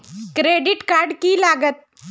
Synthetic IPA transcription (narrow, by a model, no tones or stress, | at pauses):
kɾeɖɪʈkaɾɖkilaɡət̪̚